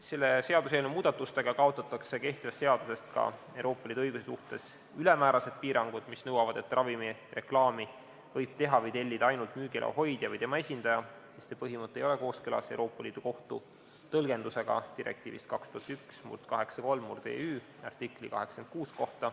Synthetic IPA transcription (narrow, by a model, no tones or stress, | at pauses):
se̞lːe̞se̞ɑd̪us̬eelnumuːd̪̥ɑt̪ːˑust̪e̞ɡ̥ɑkɑo̞t̪ːˑɑt̪ːˑɑkse̞ke̞ht̪ivɑst̪se̞ɑd̪̥use̞st̪kɑ̰ewɾo̞ːpːˑɑliːd̪uɤjɡ̥usesuht̪e̞s | ylɛmæːɾɑse̞d̪̥̚piːɾɑŋɡ̥ud̪̥misnɤwɑvɑd̪̥e̞t̪ːˑrʔɑvimire̞klɑːmi | vɤjb̥̚t̪e̞ɦɑvɤjt̪e̞lʲːid̪̥ɑjnult̪myːɡ̥ielʔɑ̰ɦo̞jd̪̥jɑvəjt̪e̞mɑesʲind̪̥ɑjɑ | sissepɤɦimɤt̪ːˑejo̞leko̞ːskylɑ̰se̞wɾo̞ːpːˑɑliːd̪̥uko̞ht̪u | t̪ɤlɡ̥e̞nd̪use̞ɡ̥ɑ̰t̪iɾʔḛk̚t̪ḭːvḭst̪kɑkst̪uhɑt̪yksmṵrt̪kɑɦe̞ksɑko̞lmːurd̪ḛːyː | ɑ̰rt̪ikˑlḭkɑ̰ɦe̞ksɑ̥en̚kuːskoht̪ɑ